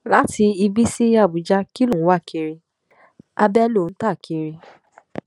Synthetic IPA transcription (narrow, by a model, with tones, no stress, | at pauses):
la˦ti˧i˧bi˦si˦a˦˨bu˨d͡ʒa˧ki˦lũ˦˨˦wa˦˨ki˧ɾi˧ | a̰˧bɛ˦lo˦˨n̩˦ta˦˨kʰi˧ɾi˧